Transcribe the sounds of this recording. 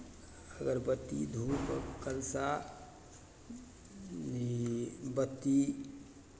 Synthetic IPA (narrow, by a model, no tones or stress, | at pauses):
əɡəɾbət̪ːḭd̪ʱukkəlsa | nibət̪ːi